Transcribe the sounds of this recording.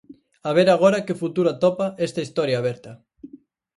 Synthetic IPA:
aβ̞eɾaɣ̞oɾakɪfut̪uɾat̪ɔpaʔɛst̪ɐist̪ɔɾjaːβ̞ɛɾt̪ɐ

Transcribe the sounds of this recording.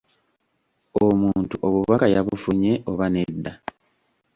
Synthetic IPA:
omuːntuʔo̞βuβakajaβufuɲe̞ʔo̞βanedːa

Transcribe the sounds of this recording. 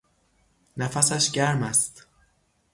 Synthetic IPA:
næfæsæʃɟæɾmæst̪

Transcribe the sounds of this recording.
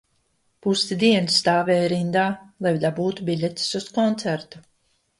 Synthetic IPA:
pust̪id̪iɛnsːt̪aːvɛːjɾind̪aːlˠajd̪abuːt̪ubʲilʲɛt̪ʲi̥suskɔnt̪sæɾt̪u̥

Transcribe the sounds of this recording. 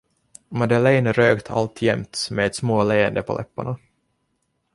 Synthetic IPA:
mad̪əlɛjnɾøːkt̪ʰa̰lt̪ʰjɛmt̪mɛɛt̪smoːleːɛnd̪əpʰɔlʔɛ̰pːa̰ɳa

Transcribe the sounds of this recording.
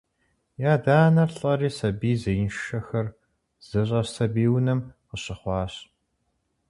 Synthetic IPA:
jaːdaːnɐrɬʼɐriːsɐbiːzɐjnʃʃɐxɐr | z̥ɨɕ̬ʼɐsɐbiːwnɐmqəɕɪχʷɑːɕ

